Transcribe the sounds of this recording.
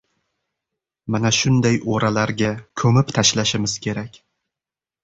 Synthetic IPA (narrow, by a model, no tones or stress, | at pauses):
manaʃʊnd̪ajoɾalaɾɡʲakʰɵmɪpt̪ʰaʃlaʃɪmɪz̥kʲʰe̞ɾakʲ